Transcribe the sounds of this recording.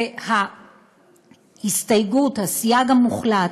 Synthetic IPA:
ha | histajɡuthasjaɡamuχla

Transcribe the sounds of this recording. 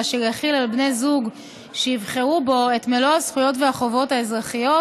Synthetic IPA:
ʃejaχilalbne̞zuɡ | ʃejivχeʁubo̞etmeloasχujo̞tveaχo̞vo̞tae̞zʁaχijo̞

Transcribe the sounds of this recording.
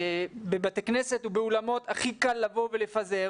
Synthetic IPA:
bebat̪ekneset̪ubeulamo̞t̪aχikalːavo̞velefaze

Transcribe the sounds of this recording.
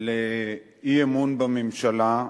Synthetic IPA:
le | iemunbɐmimʃɐlã

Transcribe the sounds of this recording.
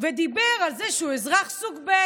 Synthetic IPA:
ved̪ibeʁalzeʃeuezʁaχsuɡbe

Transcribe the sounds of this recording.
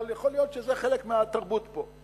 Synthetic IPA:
ljaχo̞lijo̞tʃezeχe̞lekmeat̪aʁbut̪po̞

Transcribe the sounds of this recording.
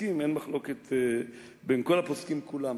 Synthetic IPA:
imenmaχlo̞ket̪ | benko̞laposkimkulam

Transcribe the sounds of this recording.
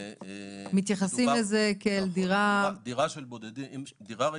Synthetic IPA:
mit̪jaχasimmlezekeld̪iʁad̪iʁaʃelbod̪ed̪iimd̪iʁa

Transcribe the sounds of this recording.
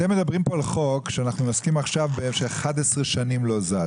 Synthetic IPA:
t̪emːe̞d̪abʁimpo̞alχo̞kʃeanaχnunoskimaχʃavbeemʃeχad̪esʁeʃanimlo̞za

